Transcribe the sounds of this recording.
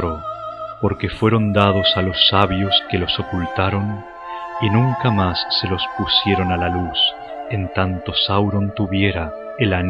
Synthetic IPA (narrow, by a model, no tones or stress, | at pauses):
ɾopo̞ɾke̞fwe̞ɾo̞nd̪að̞o̞salo̞sːaβjo̞ske̞lo̞so̞kult̪aɾo̞n | inũŋkamasːe̞lo̞spusje̞ɾo̞nalalus | ent̪ant̪o̞sawɾo̞nt̪uβje̞ɾa | elan